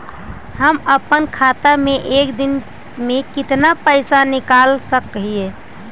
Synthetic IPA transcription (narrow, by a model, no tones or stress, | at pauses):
ɦəməpənkʰat̪ameʔekd̪in | mekit̪napəɪsanikalsəkɦije